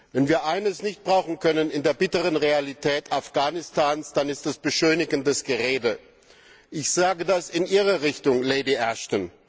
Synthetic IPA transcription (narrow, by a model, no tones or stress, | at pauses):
vɛnviːɐʔaɪnəsnɪçt̚b̥ʁaʊxn̩kʰœnənɪndeːɐbɪtəʁənʁealitʰɛːtafɡ̥aːnɪstʰaːnsd̥anɪstɛsb̥əʃøːnɪɡn̩dɛsɡ̥əʁeːdə | ʔɪçz̥aːɡədasɪnʔiːʁɐʁɪçtʊŋlɛɪdiʔɛɐʃtən